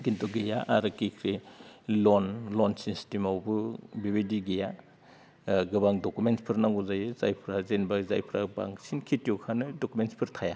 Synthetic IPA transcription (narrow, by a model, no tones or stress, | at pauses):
ɡintɔɡejaʔaɾɯkikʰɾelɔnlɔnsinstimawbɯbiβediɡeja | ɡɯbaŋdokumentspʰɯɾnaŋɡuzajɯzajpʰɾazenbazajpʰɾaba̰ŋsinkʰitijokʰanɯdokumenspʰɯɾtʰaja